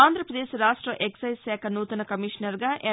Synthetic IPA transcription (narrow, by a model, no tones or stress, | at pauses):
aːnd̪ʱɾɐpɾɐd̪eːʃɾaːʂʈɾɐʔeksɐjʃɛːkʰɐnuːt̪ɐnɐkɐmiːʃnɐɾɡaːʔe